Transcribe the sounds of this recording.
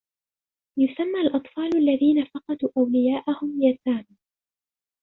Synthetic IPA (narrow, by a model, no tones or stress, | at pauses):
jʊsamːaːlʔɑt̪ˤfɑːlalːaðiːnafɑqɑd̪uːʔawlɪjaːʔahʊmjaːsaːma